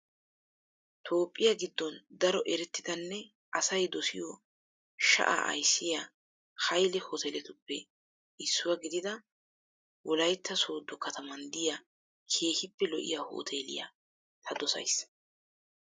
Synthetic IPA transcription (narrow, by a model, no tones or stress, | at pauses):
t̪ʰo̞ːpʼːɪjaɡɪd̪ːɔnd̪ɐɾɔʔɛɾɛt̪ːɪd̪ɐnːɛ | ʔɐsɐjd̪ɔsɪ̰jɔ | ʃɐ̰ʔa̰ːɐ̰jsːɪja | hɐjlɛhot̪ʰɛlɛt̪ʊpːɛ | ɪsːʊwɐɡɪd̪ɪd̪ɐ | wʔɔlɐjt̪ːɐsoːd̪ːɔkɐt̪ʰɐmɐnd̪ɪja | kʰe̞ːhɪpːɛlɔʔɪ̰jaːho̰ːt̪ʰeːlɪ̰ja̰ | t̪ʰɐd̪ɔsɐ̰js